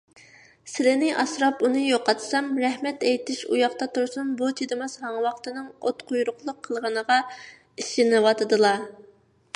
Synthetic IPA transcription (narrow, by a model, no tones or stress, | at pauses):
sɪlɪnɪʔɑsɾɑpunɨjoqɑt̪sɑmɾɛhmɛt̪ɛjt̪ɪʃujɑχt̪ɑt̪uɾsunbut͡ʃ̪ʰid̪ɨmɑshɑŋwɑχt̪ɨnɨŋot̪qʰʊjɾʊqlˠəqʰːəlˠʁənəʁɑ | iʃinɨwɑt̪ʰɨd̪ɨlˠɑ